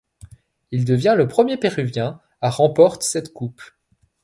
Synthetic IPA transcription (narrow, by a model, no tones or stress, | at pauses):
ild̪əvjɛ̃ləpχəmjepɛʁyvjɛ̃ | aʁɑ̃pɔʁt̪sɛt̪kup